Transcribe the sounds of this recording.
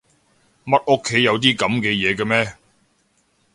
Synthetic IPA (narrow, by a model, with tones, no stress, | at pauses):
mɐ˥t̚ʔo˥kʰːe˨˥jjɐ˨˧wt̪iː˥kɐ˨˥mkɛː˧jɛː˨˧kɐ˧mɛː˥